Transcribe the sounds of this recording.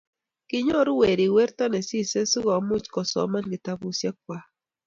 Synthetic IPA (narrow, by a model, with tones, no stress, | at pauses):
kɪ˦ɲɔ˦ɾu˦we˨ɾi˨wɛ˦ɾta˦nɛ˨si˦se˦su˦ɣɔ˨mu˦t͡ʃkɔ˨sɔ̰˨ma˦nɡɪ˨ta˦βu˨˦sja˦k̚wa˨